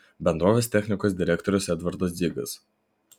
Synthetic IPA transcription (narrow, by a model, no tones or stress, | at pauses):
bʲɛnd̪ɾoːʋʲeːst̪ʲɛxʲnʲɪkoːs̬d̪ʲɪɾʲɛˑkt̪ɔɾʲʊsɛd̪ʋɐɾd̪oːsd̪zʲiːɡɐ̰s